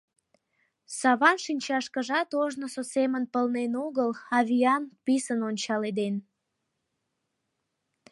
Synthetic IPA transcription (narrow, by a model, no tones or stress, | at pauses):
sɑβɑnʃinʲt͡ɕɑʃkəʒɑt̪oʒnəsosemənpəlnenuɣəlɑβʲiɑnpisənonʲt͡ɕɑled̪en